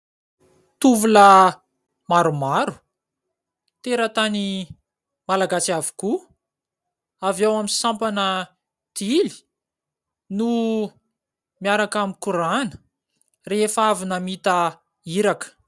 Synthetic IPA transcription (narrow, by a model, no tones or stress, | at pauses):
t̪uvulə | maɾumaɾu̥ | t̪eɾət̪ani | malaɡasiavu̥ku | avawamisampanə | d̪̥ili̥ | nu | miaɾakamikuɾanə̥ | reefavinəmit̪a | iɾakə̥